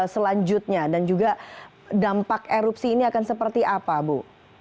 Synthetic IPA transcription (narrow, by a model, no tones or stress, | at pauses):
səlaɲd͡ʒʊt̪̚ɲadand͡ʒuɡa | dampakeɾupsiːniakansəpərt̪iʔapabu